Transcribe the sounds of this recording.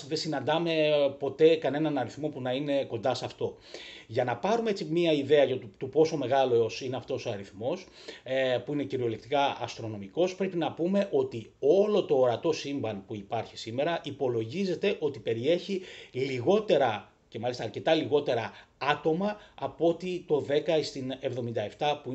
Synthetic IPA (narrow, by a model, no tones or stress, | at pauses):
ðesinɐnd̪ɐme̞po̞t̪e̞kɐne̞nɐnɐɾiθmo̞punɐine̞ko̞nd̪ɐsɐft̪o̞ | ʝɐnɐpɐɾumeet͡simiɐiðe̞ɐʝɐt̪t̪upo̞so̞me̞ɣɐloosineɐft̪o̞so̞ɐɾiθmo̞s | puine̞ciɾio̞lek̚t̪ikɐɐst̪ɾo̞no̞miko̞spɾe̞pinɐpume̞ʔo̞t̪io̞lo̞t̪o̞ːɾɐt̪o̞simbɐnpuipɐɾçisime̞ɾɐʔipo̞lo̞ʝize̞t̪e̞ʔo̞t̪ipe̞ɾie̞çiliɣo̞t̪e̞ɾɐ | ce̞mɐlist̪ɐːɐɾce̞t̪ɐliɣo̞t̪e̞ɾɐɐt̪o̞mɐɐpo̞t̪it̪o̞ðe̞kɐist̪ine̞vðo̞mind̪ɐe̞ft̪ɐpui